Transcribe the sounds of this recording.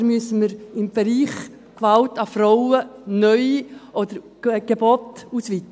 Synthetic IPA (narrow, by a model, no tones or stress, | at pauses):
ɾmyəsəməɾɪmb̥ɛɾiːχ | kʋɑltɑfrɔʊənœʏʔɔd̪əɾ | ɡ̥ebɔtusʋit̪